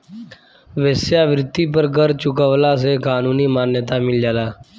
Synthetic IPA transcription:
ʋeːsjaːʋɾɪt̪ːiːpəɾɡəɾt͡ʃʊkəʋlaːs̬eːkaːnuːniːmaːnjət̪amɪld͡ʒaːlaː

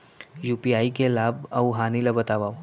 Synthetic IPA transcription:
juːpiaːikelaːbɐwɦaːnilɐbɐt̪aːʋaːu

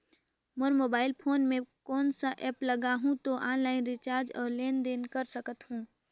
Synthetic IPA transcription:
məɾmoːbaːɪlpʰoːnmẽkɔːnsaʔɛːpləɡaɦũt̪oʔaːnlaːɪnɾɪt͡ʃaːɾd͡ʒɔːɾleːnd̪eːnkəɾsəkət̪ɦũː

